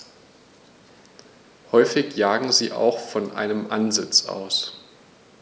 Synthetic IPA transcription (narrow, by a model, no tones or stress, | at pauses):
hɔʏfɪçjaːɡŋ̩ziːʔa̰ʊxfɔnʔa̰ɪnəmʔa̰nzɪt͡sʔa̰ʊs